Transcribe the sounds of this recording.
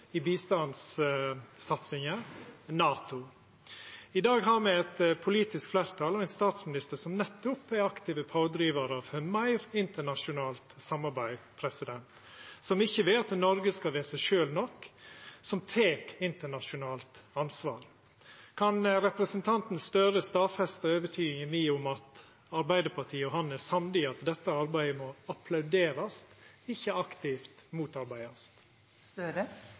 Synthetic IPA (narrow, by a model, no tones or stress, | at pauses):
ibiːst̪ɑnsː | ɑt̪sɪŋənɑːt̪ʊ | ɪd̪ɑːɡɦɑːɾmɛɛt̪pʰʊliːt̪ɪskflæːɾt̪ʰɑlɔɛɪnst̪ɑːt̪smɪnɪst̪əɾʂɔmnɛt̪ːʊpɛɾɑkt̪ɪːʋəpʰɑʊd̪ɾiːʋəɾɑʋhmæɪɾɪnt̪əɳɑʂʊnɑːlt̪sɑmɑɾbæɪpʰɾɛsɪd̪ɛnt̪ | sɔmɪçːəʋeːɑt̪nɔɾɡəskɑʋeːsæʃøːlnɔkːsɔmt̪ʰeːkɪnt̪əɳɑʂʊnɑːlt̪ɑnsʋɑːɾ | kʰɑnɾɛpɾəsənt̪ʰɑnt̪n̩st̪œɾəst̪ɑːfɛst̪əøːʋət̪ʰyːɪŋəmiːʊmɑt̪ | ɑɾbæɪd̪əpʰɑt̪ʰiːɔɦɑnæsɑmd̪ɪɑt̪d̪ɛt̪ːəɑɾbæɪəmɔɑpʰlɑʉd̪eːɾɑst̪ | ɪçːəɑkt̪ɪft̪muːt̪ɑɾbæɪɑst̪ː